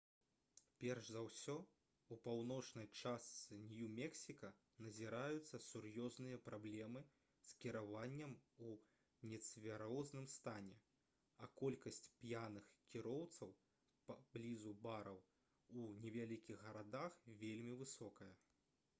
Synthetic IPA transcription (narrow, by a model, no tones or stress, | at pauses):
pʲɛrʐzawsʲɔ | upawnɔt͡ʂnɐjt͡ʂast̪ssɨnʲjumʲɛksʲikɐ | nɐzʲiɾajut̪sːɐsurjɔznɨjɐpɾablʲɛmɨ | skʲiɾavanʲːɐmu | nʲɛt̪svʲaɾɔznɨmst̪anʲɛ | ɐkɔlʲkɐsʲt͡sʲpjanɨxkʲiɾɔwt̪sɐw | pablʲizubaɾɐw | unʲɛvʲalʲikʲiɣɣɐɾad̪axvʲelʲmʲivɨsɔkɐjɐ